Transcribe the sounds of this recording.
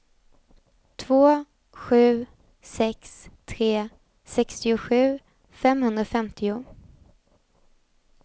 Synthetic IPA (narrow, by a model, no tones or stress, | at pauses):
t̪ʰvoː | ɧʉ̟ː | sɛkst̪ʰɾeː | sɛkst̪ɪʊɧʉ̟ː | fɛmhɵnd̪ɾafɛmt̪ʰɪʊ